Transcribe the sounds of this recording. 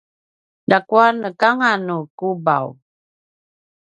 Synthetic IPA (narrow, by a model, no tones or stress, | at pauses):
dakuanəkaŋanukuba̰w